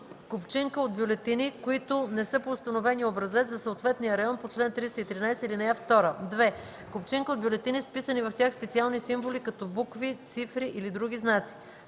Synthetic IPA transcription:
kopt͡ʃiŋkəod̪̚bʲjolɛt̪inikoit̪ʊnɛsɤpoːst̪ɐnovɛniobɾɐzɛt̪zɐsoot̪vɛt̪nijəɾɐjɔnpot͡ʃlɛnt̪ɾist̪əit̪ɾinajsəilinɛaft̪ɔɾəd̪vɛ | kopt͡ʃiŋkəod̪bʲjolɛt̪inispisənivɐft̪ʲaxspɛt̪sialˠnisimvolikɐt̪ɔbukvit̪sifɾiʔilid̪ɾuɡʲiznat̪si̥

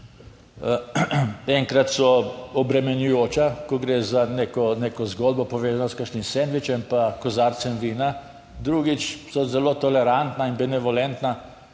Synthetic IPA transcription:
ɛŋkɾat̪sɔɔbɾɛmɛnjujoːt͡ʃakɔɡɾeːzanekɔneːkɔzɡoːlbɔpɔʋeːzanɔskəɾʃnimsend̪ʋit͡ʃɛmpakɔzaːɾt̪sɛmʋiːna | d̪ɾuɡit͡ʃsɔzɛloːt̪ɔlɛɾant̪nainbɛnɛʋɔlɛnt̪na

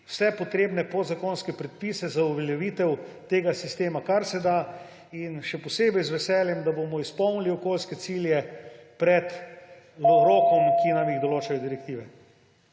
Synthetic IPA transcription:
wsɛpɔt̪ɾeːbnɛpod̪zakoːnskɛpɾɛt̪̚piːsɛzauʋɛljɛʋiːt̪ɛwt̪eːɡasist̪eːmakaɾsɛd̪a | inʃɛpɔseːbɛjzʋɛsɛːljɛmd̪abomɔispɔwniliɔkoːlskɛt̪siːljɛpɾɛt̪ | loɾoːkɔmkʰinamjiɣd̪ɔloːt͡ʃajɔd̪iɾɛk̚t̪iːʋɛ

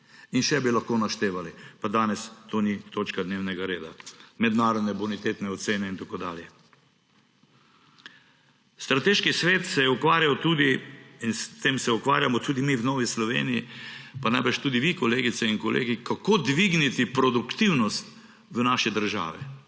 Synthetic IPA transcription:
inʃɛbilaxkoːnaʃt̪eːʋalipad̪aːnɛst̪oːnit̪oːt͡ʃkad̪newnɛɡaɾeːd̪a̰mɛd̪naːɾɔd̪nɛbunit̪eːt̪nɛɔt̪seːnɛint̪akoːd̪a̰ːljɛ | st̪ɾat̪eːʃkisʋeːt̪sɛjɛukʋaːɾjawt̪uːd̪iinst̪eːmsɛukʋa̰ːɾjamɔt̪ud̪imiwnɔːʋislɔʋḛːnijipanajbɛʃt̪uːd̪iʋikɔleːɡit̪sɛinkɔlʔḛːɡikakod̪ʋiɡnit̪ipɾɔd̪ukt̪iwnɔst̪ | ʋənaːʃɛd̪əɾʒa̰ːʋɛ

